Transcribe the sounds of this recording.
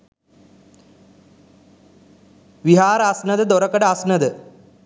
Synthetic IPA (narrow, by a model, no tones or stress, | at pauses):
ʋiɦaːɾasnɐd̪əd̪oɾɐkɐɖəasnɐd̪ə